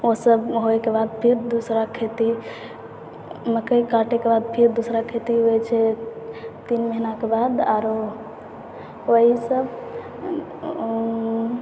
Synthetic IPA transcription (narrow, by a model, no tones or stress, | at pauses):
osəbɦoekebad̪̚pʰiɾd̪usɾakʰet̪i | məkəjkaʈekebad̪̚pʰiɾd̪usɾakʰet̪iɦojt͡ʃʰe | t̪inməɦinakebad̪aɾo | oɦisəb